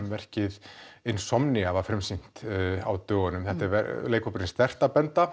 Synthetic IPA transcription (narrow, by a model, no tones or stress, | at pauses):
mvɛr̥cɪðɪnːsɔmnɪavafɾɪmsin̥t̪a̰wt̪œːɣanʏmθɛht̪ɪɾvɛɾleːjkɔpɾɪnst̪ɛr̥t̪apɛnt̪a